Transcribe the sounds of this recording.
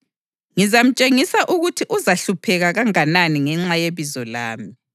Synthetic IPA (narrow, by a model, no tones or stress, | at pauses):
ŋizam̩t͡ʃʼeŋisaʔuɣutʰiʔuzaɬupʰɛɣaɣaŋananiŋɛŋ͡ǁajeβizɔla̰ːmi